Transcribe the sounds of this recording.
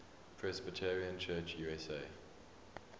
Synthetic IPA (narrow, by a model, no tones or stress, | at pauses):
pʰɹɛsbɪtʰɛɹiə̃nt͡ʃʰɜːt͡ʃjuɛseɪ